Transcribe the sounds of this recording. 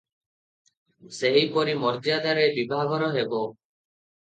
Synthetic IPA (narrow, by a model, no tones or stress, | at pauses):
seɦipɔɾimɔɾd̪jad̪aɾebibʱaɡʱɔɾɔɦebɔ